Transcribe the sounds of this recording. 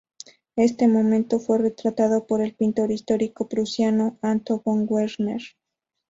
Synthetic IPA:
e̞st̪e̞mo̞mẽnt̪o̞fwe̞re̞t̪ɾat̪aðo̞po̞ɾe̞lpint̪o̞ɾist̪o̞ɾiko̞pɾusjano̞ant̪oɣoŋɡweɾneɾ

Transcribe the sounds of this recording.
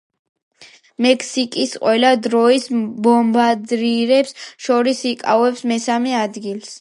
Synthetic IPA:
mɛkʰsikʼisqʼwɛlad̪ɾɔisbɔmbad̪ɾiɾɛpsʃɔɾisikʼa̰vɛpsmɛsamɛad̪ɡilˠs

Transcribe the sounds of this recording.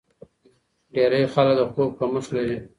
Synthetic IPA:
ɖeɾəjxalk̚d̪əxkok̚pəməslaɾi

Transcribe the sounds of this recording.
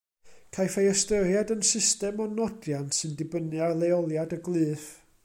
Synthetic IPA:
kʰajfejəstəɾjadənsɪstɛmɔnɔdjansɨndɪbənɨalejɔlˠjadəɡlˠɨːθ

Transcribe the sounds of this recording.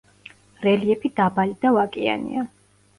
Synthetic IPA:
ɾɛliɛpʰid̪abalid̪avakʼia̰nḭa

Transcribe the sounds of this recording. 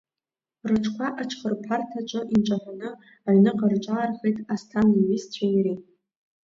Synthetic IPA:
rɨʈ͡ʂʰkʷʰaʔaʈ͡ʂʰχərpʰartʰat͡ʃʷʼɨʔinʈ͡ʂʼaħʷanɨ | aɥnɨqʼarʈ͡ʂʼarχejtʼastʰaniɥist͡ɕʷʰairi

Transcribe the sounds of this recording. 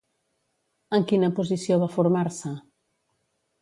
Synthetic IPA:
əŋkinɐpos̬isjoβafoɾmaɾsɐ

